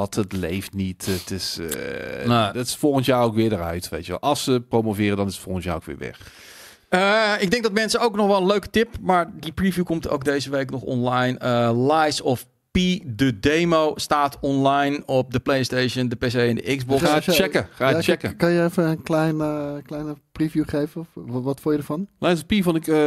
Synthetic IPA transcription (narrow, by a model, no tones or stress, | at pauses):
ɑtətlejftnitətɪs | dtɪ̥sfolˠɣənsjaːowkʋɪːɹdərœ̰ɥtʋḛjtjəʋɛ̰lˠɑlˠsəprowmovɪːrədɑnɪsətfolˠɣənsja̰ːowkʋɪ̰ːɹʋɪ̰χ | əɪɡ̚dɛŋɡ̚dɔtmɛnsəowknɔxʋɛlˠənløɥkə̥tɪpmaːɹdiprivjukɔmto̰wk̚dejzəʋejknɔχɔ̰nlajnəlajsɔf | pidədejmowstaːtʰɔnlajnɔp̚dəplejɪstejʃəndəpesejɛndəʔɪkzbɔat͡ʃɛkəχaːt͡ʃɛkəkɑnjəefənənklɛjnəklɛjnəprivjuχejvəʋɑtfʊːjədəɹvɑnlajsɔfpivɔnɪkə